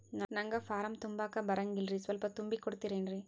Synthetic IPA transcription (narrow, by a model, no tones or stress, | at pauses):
nɐnɐŋɡɐfaːɾɐmt̪ʊmbaːkɐbɐɾɐŋɡɪlrisʋɐlpɐt̪ʊmbikːɔɽɯt̪ːɪɾeːnri